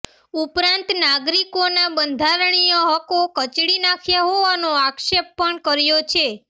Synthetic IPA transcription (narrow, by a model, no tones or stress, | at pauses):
upɾãnt̪naɡɾikonabənd̪ʱaɾɳijoɦəkokət͡ʃɽinakʰjaɦoʋanoakʃepːəɳkəɾjot͡ʃʰe